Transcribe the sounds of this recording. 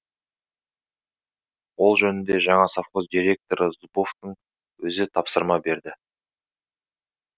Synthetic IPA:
wo̞lˠʒɵnɪnd̪e̞ʒɑɴɑsafqozd̪iɾʲe̞k̚t̪o̞ɾəzuboft̪əɴ | wɵzɪt̪ʰɑpsəɾmɑbe̞ɾd̪ɪ

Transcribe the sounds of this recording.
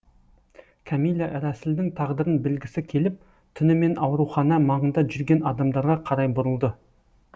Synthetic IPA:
kʲʰamijlʲːaʔɾæsɪld̪ɪŋt̪ʰɑʁd̪əɾənbɪlɡʲɪsɪkʲʰe̞lɪp̚ | t̪ʰʏnɪme̞nʔɑwɾuχɑnɑmɑʁənd̪ɑʒʏɾɡʲe̞nɑd̪ɑmd̪ɑɾʁɑqʰɑɾɑjbʊɾəlˠd̪ə

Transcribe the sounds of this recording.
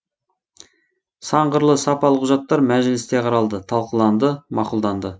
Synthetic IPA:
sɑɴɢəɾlˠəsɑpɑlˠəqʰʊʒɑt̪ːɑɾmæʒɪlɪst̪e̞qʰɑɾɑlˠd̪ət̪ʰɑlˠqəlˠɑnd̪əmɑqulˠd̪ɑnd̪ə

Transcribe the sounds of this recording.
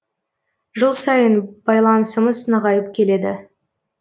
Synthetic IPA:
ʒəlˠsɑjənb̥ɑjlˠɑnəsəməznəʁɑjəp̚kʲʰe̞le̞d̪ɪ

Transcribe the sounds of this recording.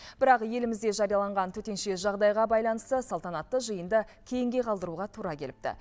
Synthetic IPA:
b̥ɪɾɑqje̞lɪmɪzd̪e̞ʒɑɾijɑlˠɑɴʁɑnt̪ʰɵt̪e̞nʃe̞ʒɑʁd̪ɑjʁɑbɑjlˠɑnəst̪əsɑlˠt̪ɑnɑt̪ːəʒəjənd̪əkʲʰe̞jɪŋɡʲe̞qʰɑlˠd̪əɾuʁɑt̪ʰuɾɑkʲʰe̞lɪp̚t̪ɪ̰

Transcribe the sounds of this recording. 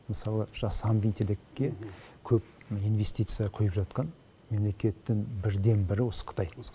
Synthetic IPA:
məsɑlˠəʒ̥ɑsɑmb̪int̪ʰelɪkʲːe̞kʲʰɵp̚inve̞sʲt̪ijt̪sɨjɑqʰʊjəpʒɑt̪qɑn | me̞mle̞kʲe̞t̪ːɪŋbɪɾd̪e̞nbɪɾɪwo̞sə̥qʰə̥t̪ɑj

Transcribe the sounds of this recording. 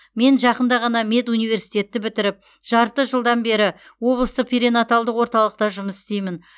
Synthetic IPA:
me̞nʒɑqənd̪ɑʁɑnɑme̞t̪unijve̞ɾsijt̪e̞t̪ːɪbɪt̪ɪɾɪp̚ | ʒ̥ɑɾt̪əʒəlˠd̪ɑnbe̞ɾɪwo̞blˠəst̪əq̚pʰʲiɾenat̪alˠd̪əqwo̞ɾt̪ɑlˠəq̚t̪ɑʒʊməsɪ̥st̪e̞jmɪn

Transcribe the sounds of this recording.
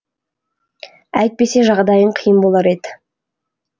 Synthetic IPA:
æjt̪̚pe̞se̞ʒɑʁd̪ɑjəɴqʰəjəmbo̞lˠɑɾe̞d̪ɪ

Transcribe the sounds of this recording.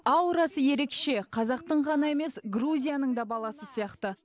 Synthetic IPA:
ɑwɾɑsəje̞ɾe̞kʃe̞qʰɑzɑqt̪əɴʁɑnɑe̞me̞sɡruzʲijanəɴd̪ɑbɑlˠɑsəsijɑqt̪ə

